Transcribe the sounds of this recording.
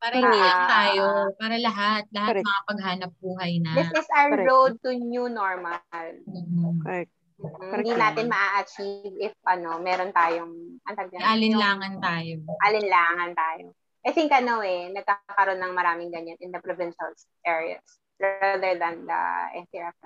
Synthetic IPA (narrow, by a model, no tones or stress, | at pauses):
paɾɐiɐnt̪aːjopaːɾɐlɐɦat̪̚lɐhamɐŋapɐɡ̚ɦaːnɐp̚buːɦɐjnɐd̪ɪsɪsawəɹowd̪̚t̪ʊnunoɹmɐl̩ː | m̩ːɪ̃d̪inaːt̪ɪnmɐʔaʔɐt͡ʃivɪfʔɐno̞mɛːɾont̪aːjoŋʔɐnt̪ɐɡ̚ɐalɪnlaːŋɐnt̪aːjoʔɐlɪnlaːŋɐnt̪aːjo̰ | ʔɐjθɪŋkɐnoɛnɐɡ̚kaːkɐɾo̞nːɐŋmɐɾaːmɪŋɡɐɲːanɪnd̪ɐpɾovɪ̃nʃɐls | ʔɛːɹɪɐ̰d̪s | ɹaðɛɹðɐnd̪ɐ̰ʔɛ̰nt̪iɛf̚